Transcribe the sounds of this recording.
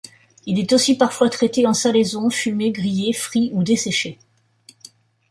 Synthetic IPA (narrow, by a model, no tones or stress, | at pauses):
ilɛt̪osipaʁfwat̪χɛt̪eɑ̃salezɔ̃fymeɡʁijefχiud̪esɛʃe